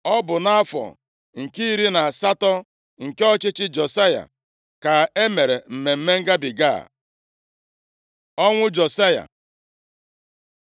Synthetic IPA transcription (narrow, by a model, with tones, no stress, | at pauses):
ɔ˦bʊ˨na˦a˦fɔ̰˨ | ŋ̩˨ki˦i˦ɾi˦na˨sa˦tɔ˦ | ŋ̩˨ke˦ɔ˦t͡ʃɪ˦t͡ʃɪ˦d͡ʒo˨sa˦ja̰˨ | ka˨e˦me˨ɾe˨m̩˨me˨m̩˦me˦ŋ̩˦ɡa˦bi˨ɡa̰˦˨ | ɔ˦ŋʷʊ˦d͡ʒo˨sa˦ja̰˨